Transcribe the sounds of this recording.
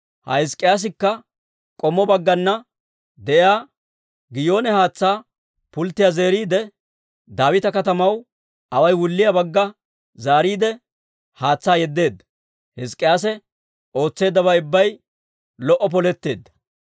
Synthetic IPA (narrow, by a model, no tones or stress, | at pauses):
hɐ̰hɪskʼːɪjaːs̬ɪkːɐ | kʼɔmːɔbɐɡːɐnːɐ | d̪ɛʔjaː | ɡɪjo̞ːnɛhaːt͡sːaː | pʊlt̪ːɪjaze̞ːɾiːd̪ɛ | d̪aːwɪt̪ɐkɐt̪ɐmɐw | ʔɐwɐjwʊlːɪjɐbɐɡːɐ | zaːɾiːd̪ɛ | haːt͡sːaːjɛd̪ːe̞ːd̪ːɐ̥ | hɪskʼːɪjaːsɛ | o̞ːt͡sːe̞ːd̪ːɐbɐɪbːɐj | lɔʔɔp̬ɔlɛt̪ːe̞ːd̪ːɐ̥